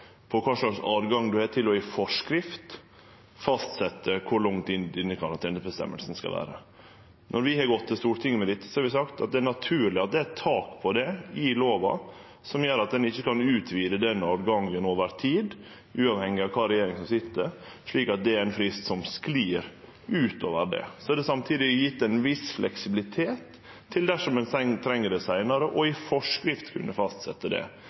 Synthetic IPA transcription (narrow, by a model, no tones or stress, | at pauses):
pʰɔkʰɑːʂɭɑksɑ̰ːʋɡɑŋːd̪ʉhɑːʈ̪ʰɪlɔifɔʂkɾɪft̪ | fɑst̪sɛt̪ʰːəkʰʊɾɭʊŋt̪ɪnd̪ɪnːəkʰɑɾɑnt̪ʰɛːnəsbəst̪ɛ̰mːə̰lsən̩skɑ̰lʋæ̰ːɾə | nʔɔɾʋɪhɑɡɔt̪ʰːɪst̪uːʈ̪ʰɪŋːmɛd̪ɪt̪ːsɔhɑɾʋɪs̬ɑkt̪ɑ̰t̪̚d̪ɛænɑt̪ʰʉːɾɭɪɑt̪̚d̪ɛt̪ʰɑːkpʰɔd̪ɛɪloːʋɑ̰ | sɔmjøːɾɑt̪̚d̪ɛnɪçːəkɑnʉːt̪ʰʋiːd̪əd̪ɛnɔːd̪ɡɑŋːɛnoːʋəɾt̪ʰiːd̪ | ʔʉːɑʋhɛŋːɪɑʋkʰɑːɾɛjeːɾɪŋsɔmsɪt̪ːəɾ | ʂɭiːkɑt̪̚d̪ɛæɾænfɾɪst̪sɔmskliːɾ | ʉːt̪o̰ːʋəɾɖɛ̰sɔɛd̪ɛsɑmt̪ʰiːd̪ɪjɪt̪ːɛnʋɪsflʔɛksɪbɪlɪt̪ʰeːt̪ʰː | ɪld̪æʂɔmɛnsɛŋt̪ʰɾɛŋːəɖɛsæɪnɑɾəʔɔɪfɔʂkɾɪft̪kʰʉ̰nːəfɑst̪sɛt̪ːəd̪ɛ̰